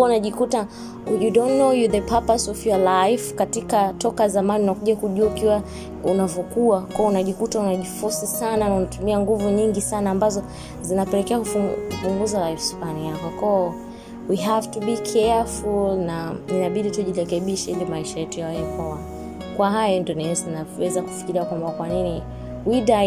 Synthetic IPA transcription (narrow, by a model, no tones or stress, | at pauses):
unaʄikuta | judɔnːojuðəpʰapasɔvjɔlajfkatikatɔkazamaniunakuʄakuʄuaukiwa | unavɔkuakwaɔunaʄikutaunaʄifusisananaunatumiaŋɡuvuɲiŋɡisanaːmbazɔ | zinapɛlɛkɛakufukupuŋɡuzalaifspanijakɔkɔ | wiɦavtubikʰɛafulnaninaɓiɗituʄiɾɛkɛɓiʃɛilimaiʃajɛtujawajɛkwawa | kwaɦajɔndɔnɛɛsanawɛzaku̥fi̥kiɾiakwambakwanini | wida